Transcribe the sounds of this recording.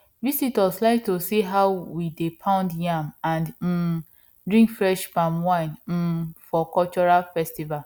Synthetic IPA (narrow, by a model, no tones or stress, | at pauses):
visitwɔslaɪk̚tosiɦaʊwidepʰãʊ̃ndjãmãn̩ | dɹĩŋkfɹɛʃbãmwãɪ̃n̩fɔkɔlt͡ʃɔɹalfɛstival